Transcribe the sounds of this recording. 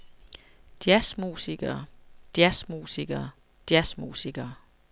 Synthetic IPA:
d̥jæsmuːsiɡ̥ɐːd̥jæsmṵːsiɡ̥ɐː | d̥jæsmṵːsiɡ̥ɐː

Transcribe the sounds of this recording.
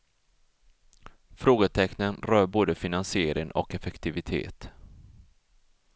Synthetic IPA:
fɾoːɡət̪ʰɛknənɾœːɾboːd̪əfɪnansɪeːɾɪŋʔɔ̰kɛfɛkt̪ɪvɪt̪ʰḛːt̪

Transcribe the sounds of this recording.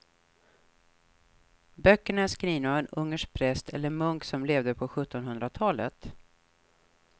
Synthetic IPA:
bœkːəɳaæskɾiːnavɛnɵŋːəʂk̚pʰɾɛst̪ʰɛ̰lːəɾmɵŋksɔmleːvd̪əpʰɔɧɵt̪ːɔnɦɵnd̪ɾat̪ʰɑːlə̰t̪

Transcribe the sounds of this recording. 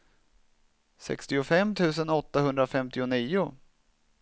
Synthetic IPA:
sɛ̰kst̪ɪʊfɛmːt̪ʰʉ̟ːs̬ənɔt̪ːahɵnd̪ɾafɛmt̪ɪʊniːʊ

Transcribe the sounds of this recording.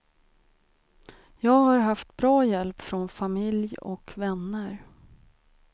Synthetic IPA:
jɑːɡhaɾɦaft̪bɾɑːjɛlpfɾɔnfamɪljɔ̰kvɛnːəɾ

